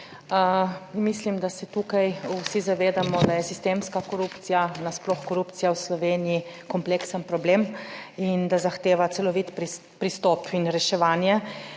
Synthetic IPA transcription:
mislimd̪asɛt̪ukajusizaʋeːd̪amɔd̪ajɛsist̪eːmskakɔɾupt̪sijanasplɔxkɔɾupt̪sijawslɔʋeːnijikɔmpleksənpɾɔbleːmind̪azaxt̪eːʋat̪sɛlɔʋit̪pɾi | pɾist̪ɔpʰinɾɛʃɛʋaːnjɛ

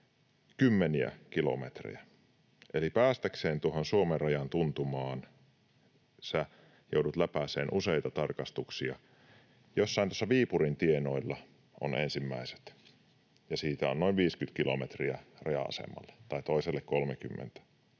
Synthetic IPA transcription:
kymːeniæ̰kilo̰met̪rḭjæ | ʔelipæːst̪ækseːnt̪uohonsuomerɑjɑnt̪unt̪umɑːn | sæ | joudut̪læpæseːnʔuseit̪ɑt̪ɑrkɑst̪uksiɑ̰ | josːɑˑint̪uosːɑʋiːpurint̪ienoilːɑ | ʔo̰nʔensimːæise̥t̪ | jɑsiːt̪æonoinʋiːskyt̪kilo̰met̪riærɑjɑ̰ɑ̰sḛmːɑ̰lːɑ̥t̪ɑit̪oiselːekkolmekymːḛnt̪æ̥

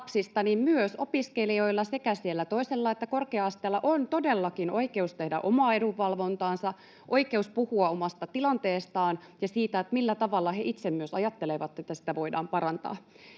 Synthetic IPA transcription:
psist̪ɑnimmyøsopiskelio̞ilːɑse̞kæsielːæt̪o̞iselːɑet̪ːækorkeɑɑst̪eːlːɑʔont̪odelːɑkino̞ikeust̪ehdæ̰ʔomɑːeɾuʋːɑlʋo̞nt̪ɑːnsɑ | ʔo̞ike̞uspuhuɑomɑst̪ɑt̪ilɑnt̪eːst̪ɑːn | jɑsiːt̪æet̪milːæt̪ɑʋɑlːɑheʔit̪semmyøsɑjɑt̪ːeleʋɑt̪ːet̪ːæsi̥t̪æʋo̞idɑ̰ːmpɑɾɑnt̪ɑ̰ː

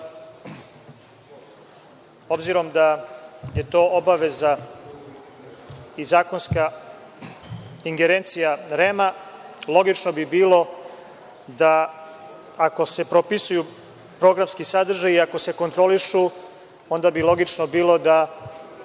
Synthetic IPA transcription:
o̞bziɾo̞md̪aje̞t̪o̞ːobaʋe̞za | izaːko̞nska | iŋɡeɾeːnt̪sijaɾemalˠo̞ɡit͡ʃnobibiːlo̞ | d̪aː | ko̞se̞pɾopisuju | pɾo̞ɡɾamskisad̪r̩ʒajiako̞se̞ko̞nt̪ɾo̞liʃu | o̞nd̪abilˠo̞ɡit͡ʃnobiːlo̞d̪a

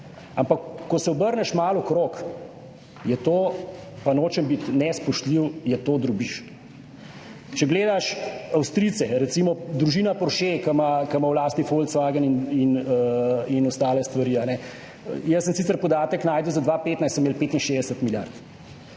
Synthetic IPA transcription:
ampakːɔsɛɔbəɾnɛʃmalɔkɾok | jɛt̪oːpanoːt͡ʃɛmbit̪nɛspɔʃt̪liwjɛt̪oːd̪ɾubiʃ | t͡ʃɛɡleːd̪aʃawst̪ɾit̪sɛɾɛt̪simɔd̪ɾuʒiːnapɔɾʃekamakamawlaːst̪nifolt̪sʋaɡənininəinɔst̪aːlɛst̪ʋaɾiːanɛ̰ | jəsːəmsit̪səɾpɔd̪aːt̪əknaːjd̪əwzad̪ʋapeːt̪najsəmːelpeːt̪inʃeːzd̪ɛsət̪milja̰ɾt̪

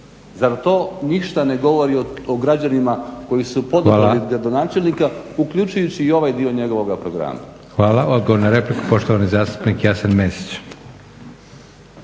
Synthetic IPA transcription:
zaɾt̪o̞ːniʃt̪ane̞ɡo̞ʋo̞ɾiooɡɾad͡ʑanimako̞jisupo̞d̪liɡɾad̪o̞naːt͡ʃe̞lʲnikaukʎut͡ʃujut͡ɕiːo̞ʋajd̪io̞ɲe̞ɡo̞ʋo̞ɡapɾoɡɾa̰ːma̰ | xʋaːlaod̪̚ɡoʋoɾunaɾe̞pliku̥po̞ʃt̪oʋanizaːst̪u̥pnikjasenmesi̥t͡ɕ

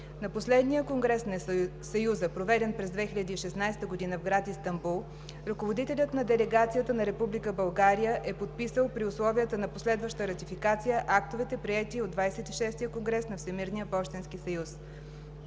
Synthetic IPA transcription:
nɐposlɛd̪nijəkoŋɡɾɛsn | sɐjuzəpɾovɛd̪ɛnpɾɛzd̪vɛxiʎʲɐd̪iːʃɛsnajst̪əɡod̪inəvɡɾat̪ist̪ɐmbulˠ | ɾɐkovod̪it̪ɛlʲət̪nɐd̪ɛlɛɡat̪sijət̪ənɐɾɛpublikəbɐlˠɡaɾijəʔɛpot̪̚pisəlˠpɾiʊslˠɔviət̪ənɐposlɛd̪vəʃt̪əɾɐt̪ifikat̪sijəʔak̚t̪ovɛt̪ɛpɾiɛt̪iod̪vajsɛt̪iʃɛst̪ijəkoŋɡɾɛsnɐfsɛmiɾnijəpɔʃt̪ɛnskisəjus

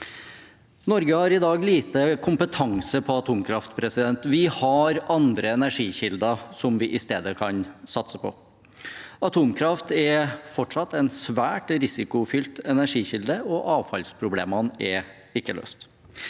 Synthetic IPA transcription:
nɔɾɡəhɑɾɪd̪ɑːɡliːt̪əkʰʊmpət̪ʰɑŋsəpʰɔɑt̪ʰuːmkʰɾɑft̪pʰɾɛsɪd̪ɛnt̪ʋɪhɑɾɑnd̪ɾəɛnæʂiːɕɪld̪ɑsɔmʋɪʔɪst̪eːd̪əkʰɑnsɑt̪səpʰɔ̰ | ɑt̪ʰuːmkʰɾɑft̪ɛfɔʈʂɑt̪ːɛnsʋæːʈɾɪsɪkʊfʏlt̪ɛnæʂiːçɪld̪əɔʔɑːʋfɑ̰lspʰɾʊblḛːmɑnɛ | ɪkːəlø̰ːst̪

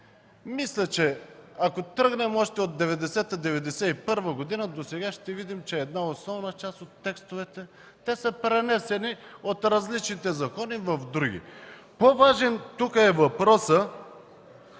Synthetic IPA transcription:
mislʲət͡ʃɛakot̪ɾəɡnɛmɔʃt̪ɛot̪̚d̪ɛvɛd̪ɛsɛt̪əd̪ɛvɛd̪ɛsɛipɤɾvəɡod̪inəd̪osɛɡaʃt̪ɛvid̪imt͡ʃɛːd̪naosnɔvnət͡ʃast̪ot̪ːɛkst̪ovɛt̪ɛ | t̪ɛsəpɾɛnɛsɛniot̪ɾɐzlit͡ʃnit̪ɛzɐkɔnivɐfd̪ɾuɡʲḭ | povaʒɛnt̪ukəɛvɐpɾɔsə

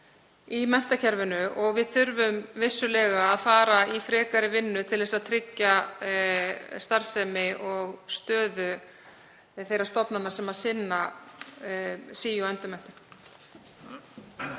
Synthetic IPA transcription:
imɛn̥t̪acʰɛɾvʏnʏʔɔɣvɪðθʏɾvʏmvɪsːʏlɛːɣaːðfaːɾaifɾɛːkaɾɪvɪnːʏt̪ʰɪlvɛsaðt̪ʰɾɪcːa | st̪aɾ̥sɛmɪʔɔɣst̪œːðʏ | θejɾaɾst̪ɔpnanːaɾsɛmḁsɪnːa | siːjɔɛnt̪ʏmɛn̥t̪ʏ̥

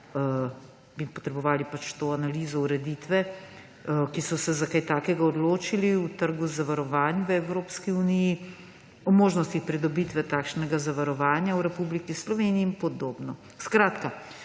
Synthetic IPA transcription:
bipɔt̪ɾɛbɔʋaːlipat͡ʃt̪oːanaliːzɔuɾɛd̪iːt̪ʋɛ | kisɔsɛzakajt̪aːkɛɡaɔd̪loːt͡ʃiliut̪əɾɡuzaʋaɾɔʋaːnjʋəɛwɾoːpskiuniji | ɔmoːʒnɔst̪ixpɾid̪ɔbit̪ʋɛt̪aːkʃnɛɡazaʋaɾɔʋaːnjawɾɛpublikislɔʋeniːmpɔd̪oːbnɔ | skɾaːt̪ka

